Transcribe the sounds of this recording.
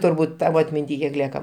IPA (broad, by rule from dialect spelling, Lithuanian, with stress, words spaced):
tʊrˈbuːt ˈtɑːʋoː ɐtʲmʲɪnʲˈtʲiː kʲiɛk ˈlʲiɛkɐ